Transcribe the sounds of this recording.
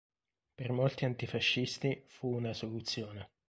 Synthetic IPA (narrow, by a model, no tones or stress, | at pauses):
permolt̪iant̪ifaʃːist̪ifuːnasolut̪sːjoːne